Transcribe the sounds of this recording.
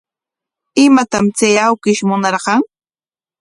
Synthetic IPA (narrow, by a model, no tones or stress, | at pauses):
ɪmat̪amt͡sajawkɪʃmʊnɑɾqɑŋ